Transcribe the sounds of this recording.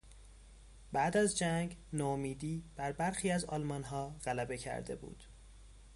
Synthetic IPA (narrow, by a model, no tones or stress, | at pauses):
bæːd̪æzd͡ʒæŋɡnomiːd̪iːb̥æɾbæɾxiːæzɒ̰ːlmɒːnɦɒːɣ̥ælæbe̞cʰæ̰ɾd̪e̞̰bṵːd̪̥